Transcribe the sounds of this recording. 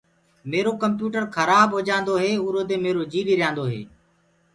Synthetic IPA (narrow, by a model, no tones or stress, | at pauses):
meːɾoːkəmpjuːʈəɾkʰəɾaːbɦoːd͡ʒãːnd̪oːɦeːuːɾoːd̪eːmeːɾoːd͡ʒiːliːɾɪjãːnd̪oːɦḛː